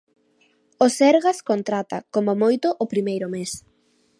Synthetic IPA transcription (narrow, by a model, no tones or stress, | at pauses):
osɛɾɣaskont̪ɾat̪a̰komomojt̪ʊʔopɾimejɾʊmes